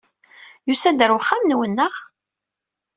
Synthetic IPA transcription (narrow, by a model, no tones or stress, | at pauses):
jusæd̪əɾwəχːamnwənːəʁ